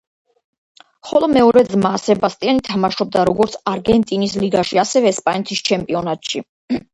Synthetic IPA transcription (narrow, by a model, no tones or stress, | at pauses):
χɔlˠɔmɛɔɾɛd̪zmaːsɛbast̪ʼianit̪ʰamaʃɔb̚d̪aɾɔɡɔɾt̪sʰaɾɡɛnt̪ʼinisliɡaʃiasɛvɛːspʼanɛt̪ʰist͡ʃʰɛmpʼiɔnat̪ʼʃi